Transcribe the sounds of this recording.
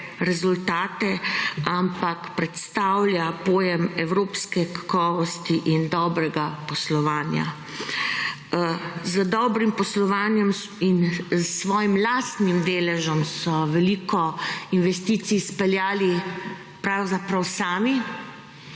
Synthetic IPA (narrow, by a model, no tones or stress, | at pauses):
ɾɛzult̪aːt̪ɛampakpɾɛt̪st̪awlʲjapoːjɛmɛwɾoːpskɛkḁkɔːʋɔst̪iʔind̪ɔːbɾɛɡapɔslɔʋaːnja̰ | zəd̪ɔːbɾimpɔslɔʋaːnjɛm | insʋɔːjimlaːst̪nimd̪eːlɛʒɔmsɔʋɛlikɔinʋɛst̪iːt̪sispɛljaːli | pɾawzapɾawsaːmi